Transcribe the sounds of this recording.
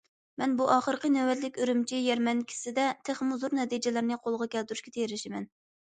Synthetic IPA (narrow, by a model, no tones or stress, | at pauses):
mɛnbuʔɑːχəɾqənøwɛt̪lɪkʲøɾymt͡ʃʰijɛɾmɛnkʲʰi̥sɪd̪ɛt̪ʰeχmuzuɾnɛt̪id͡ʒɪlɪɾnɨqʰolˠʁɑkʲɛlt̪yɾuʃkʲet̪ʰejɾɪʃɪmɛn